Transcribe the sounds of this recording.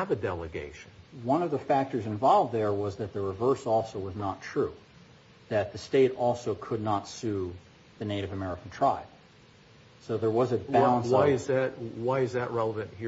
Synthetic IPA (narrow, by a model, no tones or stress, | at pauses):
əvɨdɛlˠəɡḛɪʃnwʌ̃nʌvðəfæk̚tə˞zɨ̃ɱvɑlˠvðə˞wʌzðɨt̪̚ðɨɹɨvɜ˞sɔlˠsoʊwʌznətʰɹ̥ʉ | ðɨt̪̚ðɨsteɪɾɔlˠsoʊkʰʊdⁿnətsʉ | ðɨneɪɾɨvɨmɛɹɨkn̩tʰɹ̥aɪb̥ | soʊðə˞wʌzɨbælˠə̃nwaɪɨzðɨt̚waɪɨzðɨʔɹɛlˠəvɨ̃nʔhi